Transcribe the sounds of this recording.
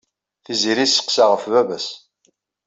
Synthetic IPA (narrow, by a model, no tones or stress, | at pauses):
θiziɾisə̥qsaʁəfvævæs